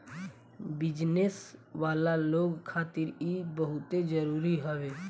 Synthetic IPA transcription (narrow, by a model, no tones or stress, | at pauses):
bɪd͡ʒnesʋaːlaloːɡkʰaːt̪ɪɾibəɦʊt̪ed͡ʒəɾuːɾiɦəʋeː